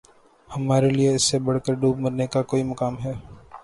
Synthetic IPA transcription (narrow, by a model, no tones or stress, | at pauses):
hɐmaːɾelieɪsːebɐɽ̤kəɾɖuːb̚mɐɾnekakoːimɐkaːmɦɛː